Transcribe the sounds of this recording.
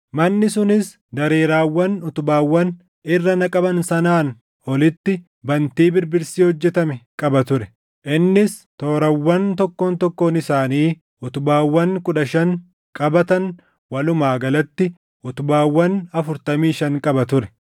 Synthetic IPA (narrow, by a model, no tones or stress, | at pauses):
mɐnːɪsʊnɪs | d̪ɐɾeːɾaːwːɐnʊt̪ʊbaːwːɐn | ɪrːɐnɐkʼɐbɐnsɐnaːn | ɔlɪt̪ːɪ | bɐnt̪iːbɪɾbɪɾsiːhɔd͡ʒːɛt̪ɐmɛkʼɐbɐt̪ʊɾɛ̥ | ʔɪnːɪs | t̪o̞ːɾɐwːɐnt̪ɔkːoːnt̪ɔkːoːnɪsaːniː | ʊt̪ʊbaːwːɐŋkʼʊᶑɐʃɐŋ | kʼɐbɐt̪ɐn | wɐlʊmaːɡɐlɐt̪ːɪ | ʊt̪ʊbaːwːɐnɐfʊɾt̪ɐmiːʃɐŋkʼɐbɐt̪ʊɾɛ